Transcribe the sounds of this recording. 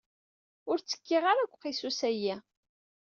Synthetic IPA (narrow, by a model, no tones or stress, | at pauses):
ʊɾt͡sːə̥kːiʁaɾækʷːqisusæjæ